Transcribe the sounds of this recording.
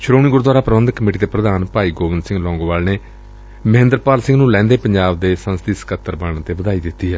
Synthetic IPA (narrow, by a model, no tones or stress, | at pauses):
ʃʰʊɾoːniːɡʊɾd̪waːɾaːpəɾəʋənd̪kəmeːʈ̬iːt̪eːpɾəd̪aːnpaːiːɡoːʋɪnd̪sɪ̃ŋɡlɔ̃ːŋɡʋaːlneː | məɦɪ̃nd̪əɾpaːlsɪ̃ŋɡnũːlɛ̃ːnd̪eːpəɲd͡ʒaːb̚d̪eːsə̃nst̪isə̥kət̪ːəɾbəɳt̪eːʋəd̪aːiːd̪ɪt̪ːiːɦɛː